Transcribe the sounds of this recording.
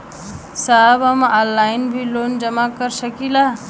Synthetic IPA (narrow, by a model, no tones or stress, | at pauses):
saːbɐmaːlːaːɪnbʱiloːnd͡ʒəmakəɾsəkilaː